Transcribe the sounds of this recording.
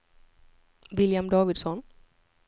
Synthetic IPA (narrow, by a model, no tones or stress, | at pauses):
ʋiljɐmɖoːʋiɖsɔn